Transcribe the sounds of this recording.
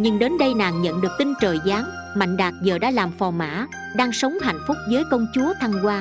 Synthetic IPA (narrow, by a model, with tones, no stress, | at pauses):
ɲɨ˧ŋɗe˨˦nɗə˧jna̰ː˨˩ŋɲə̰˧˨nɗɨ˨˩ək̚t̪i˧ŋt͡ɕəː˨˩jzaː˨˦m | ma̰˧˨jŋ̟ɗaː˨˩k̚zəː˨˩ɗa̰ː˧˥laː˨˩mfɔ˨˩ma̰ː˧˥ | ɗaː˧ŋsə˨˦wŋ͡mɦa̰˧˨jn̟fʊ˦˥k͡p̚vəː˨˦jkə˧wŋ͡mt͡ɕu˨˦ət̪ʰa˧ŋkwaː˧